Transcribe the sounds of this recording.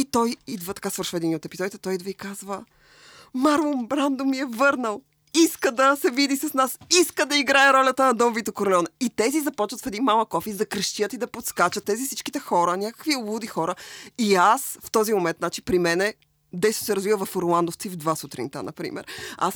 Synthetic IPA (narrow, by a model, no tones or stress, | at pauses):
it̪ɔjid̪vət̪ɐ̥kasvəɾʃvɛd̪iniot̪ɛpizɔd̪it̪ɛ̥t̪ɔjid̪vəikazvə | maɾombɾand̪omiɛvɤɾnəlˠ | iskəd̪ɐsɛvid̪isɐsnasiskəd̪ɐiɡɾaɛɾɔlʲɐt̪ənɐd̪ɔmvit̪okoɾlɛɔnɛit̪ɛzizɐpɔt͡ʃvət̪fɛd̪inmalˠəkːɔfizɐkɾəʃt̪iət̪id̪ɐpot̪skat͡ʃət̪ːɛzifsit͡ʃki̥t̪ɛxɔɾənʲakə̥kviobˠud̪ixɔɾəiasft̪ɔzimomɛnt̪nat͡ʃipɾimɛnɛ | d̪ɛjso̥sɛɾɐzvivəvɐfɾlˠand̪oft̪sivd̪vasut̪ɾḭnt̪ə̰nɐ̰pɾḭmɛ̰ɾa̰s